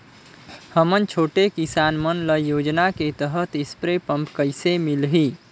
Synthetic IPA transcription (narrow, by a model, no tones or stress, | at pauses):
həmənt͡ʃʰoʈekisanmənləjod͡ʒnaket̪əɦət̪ispɾepəmpkəjsemilɦi